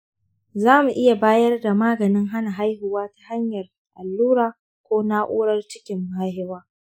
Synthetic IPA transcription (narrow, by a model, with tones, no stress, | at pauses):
zaː˦mu˨ʔɪ˦ja˨baː˦jɐ˦rda˨maː˦ɡɐ˨nɪ˦ŋɦa˦na˨ɦa˦jhɪ˨waː˦tḁ˦ha˦ɲjɐ˨r | ʔa˨lːuː˦ɾaː˨ | kʷoː˦na˦ʔṵː˦ɽɐ˦rt͡ʃɪ̥˦kʲɪ˦mːaː˦hɪ˦waː˦